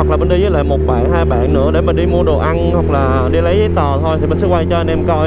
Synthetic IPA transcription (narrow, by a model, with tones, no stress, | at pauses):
klaː˨˩ɓə˧˩nɗi˧zəː˨˦jla̰ː˧˨jmo˨t̚ɓa̰ː˧˨jɦaː˧jɓa̰ː˧˨nnɨ̰˧˥əɗe˧˩mː˨˩ɗi˧mu˧əɗo˨˩ʔa˧nhwa˨˩k̚laː˨˩ | ɗi˧lə˨˦jzəː˨jt̪əː˨˩t̪ʰo˧jt̪i˨˩ɓə˨˧nskwa˧jt͡ɕɔ˧ʔə˨˧nʔɛ˧mkɔ˧j